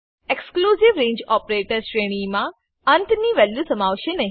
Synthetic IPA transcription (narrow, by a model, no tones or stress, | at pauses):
ekskluːzɪʋɾẽːɲd͡ʒɔːpɾeːʈəɾsʈɾeːɽ̃imã | ɐnʈ̪niʋɛljusəmaːʋʃenɐɦi